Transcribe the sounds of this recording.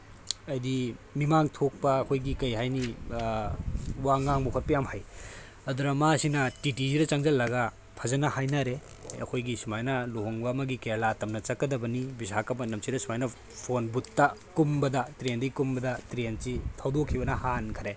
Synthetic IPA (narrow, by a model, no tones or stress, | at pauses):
ɐjdimimaŋtʰok̚pɐːkʰojɡikɐjɦajni | waŋaŋmukʰɐt̚pɐjamhaj | ɐd̪uɾɐmasinɐtitiziɾɐt͡ʃɐŋzɐlːɐɡɐ | pʰɐzɐnɐhajnaɾe | ɐ̰kʰojɡisumajnɐloɦoŋbɐmɐɡikeɾlatɐmnɐt͡ʃɐkːɐdɐbɐnibisakɐpɐnɐmsiɾɐsumajnɐ | pʰonbutːɐkumbɐdɐtɾendɐikumbɐdɐtɾensitʰawdokʰibɐnɐhankʰɐɾe